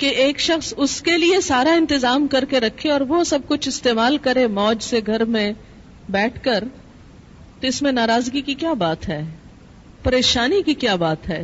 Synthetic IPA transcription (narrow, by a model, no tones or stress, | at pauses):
keʔeːkʃɐxsʊskeliesaːɾaɪ̃nt̪ɪzaːmkɐɾkeɾɐkʰːeɔːɾʋosɐb̚kʊt͡ʃʰɪst̪eːmaːlkɐɾemɔːd͡ʒseɡʱɐɾmẽ | bɛːʈʰkɐɾ | t̪oɪsmẽnaːɾaːzɡikikjaːbaːt̪ɦɛː | pɐɾeːʃaːnikikjaːbaːt̪ɦɛː